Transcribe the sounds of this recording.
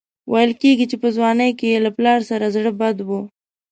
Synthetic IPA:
wajəlkeɡit͡ʃepəzwɑːnəjkeelaplɑɾsaɾazɽəbad̪wo

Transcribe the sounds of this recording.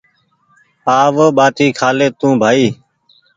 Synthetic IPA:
aːʋəɓaːt̪iːkʰaːleːt̪ũːbʱaːiː

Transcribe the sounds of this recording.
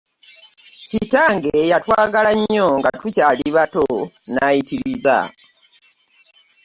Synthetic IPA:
citaːŋɡejatwaːɡalaɲːo̞ŋɡatucaːliβatonajitiɾiza̰

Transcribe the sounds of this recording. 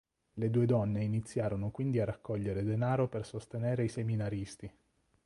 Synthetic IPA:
led̪uːed̪ɔnːeinit̪sːjaːɾonokwind̪iaɾakːɔʎːeɾed̪enaːɾopersost̪eneːɾeiseminaɾist̪i

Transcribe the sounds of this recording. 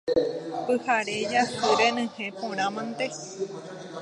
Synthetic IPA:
pɨhaɾed͡ʒasɨɾenɨ̃hẽpõɾ̃ãmãnt̪e

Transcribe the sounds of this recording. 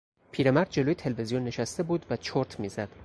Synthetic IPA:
pʰiːɾemæɾd̪̚d͡ʒe̞loːjet̪ʰeleve̞zijonːe̞ʃæst̪e̞buːd̪væt͡ʃʰoɾt̪ʰmiːzæd̪̥

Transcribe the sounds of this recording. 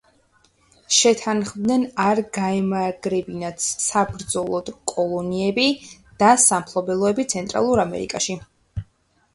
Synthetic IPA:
ʃɛt̪ʰanχvd̪nɛnaɾɡaɛmaɡɾɛbinat̪sabɾd̪zɔlˠɔd̪̥kʼɔlˠɔniɛbid̪̥asampʰlˠɔbɛlˠɔɛbit̪sʰɛnt̪ʼɾa̰lˠuɾamɛ̰ɾḭkʼa̰ʃi

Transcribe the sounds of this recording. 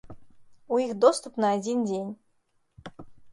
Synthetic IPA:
ujixd̪ɔst̪upnɐad͡zʲind͡zʲenʲ

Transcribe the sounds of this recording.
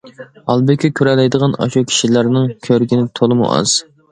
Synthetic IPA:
ɑlˠbɪkʲɛkʲʰøɾɛlɛjd̪əʁɑnɑ̰ʃukʲʰi̥ʃilæɾnɨŋkʲʰøɾɡʲinɪt̪ʰolˠɨmṵʔɑ̰z̥

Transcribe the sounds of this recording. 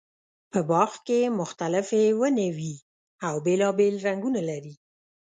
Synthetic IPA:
pəbɑxkemʊxt̪alɪfewənawi | awbelɑbelɾaŋɡunalaɾi

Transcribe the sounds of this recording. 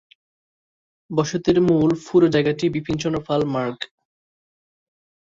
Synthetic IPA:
bɔʃot̪eɾmulfuɾod͡ʑaeɡaʈibipʰint͡ɕɔnofalmaɾɡ

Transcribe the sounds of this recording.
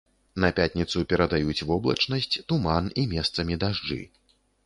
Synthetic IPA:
nɐpʲat̪ʲnʲit̪supʲɛɾɐd̪ajut͡sʲvɔblˠɐ̰t͡ʂnɐsʲt͡sʲt̪umanimʲɛst̪sɐmʲid̪aʐd͡ʐɨ̰

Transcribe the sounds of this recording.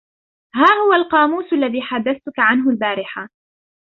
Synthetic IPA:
haːhʊwalqɑːmuːsalːaðiːħad̪ːaθt̪ʊkaʕanɦʊlbaːɾɪħa

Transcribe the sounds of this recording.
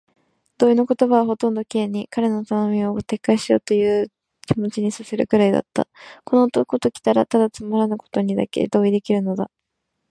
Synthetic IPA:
d̪̥oino̞ko̞t̪o̞baβaɦo̞t̪õ̞nd̪o̞kʲieɲ̟ːikaɾe̞not̪ano̞mʲiot̪e̞kːaiɕio̞̰ːt̪o̞jɯ̟ː | kʲimo̞t͡ɕiɲ̟isaseɾɯ̟̰kɯ̟ɾaid̪a̰t̪ːa̰ko̞not̪oko̞t̪okʲi̥t̪aɾat̪ad̪at͡sɨmaɾanako̥t̪o̞ɲ̟id̪a̰ke̞̰d̪o̞ːid̪e̞kʲiɾɯ̟no̞d̪a

